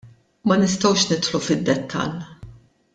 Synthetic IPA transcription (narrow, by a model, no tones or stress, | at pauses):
mɐnɪst̪ɐwʃnɪt̪ħlufɪd̪ːɛt̪ʰːɐ̰l